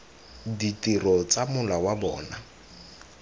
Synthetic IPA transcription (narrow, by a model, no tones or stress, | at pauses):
ditʼirɔt͡samʊlawabɔ̰ːna